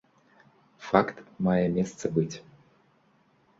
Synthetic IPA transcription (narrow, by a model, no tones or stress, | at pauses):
fakt̪majɛmʲest̪səbɨtʲ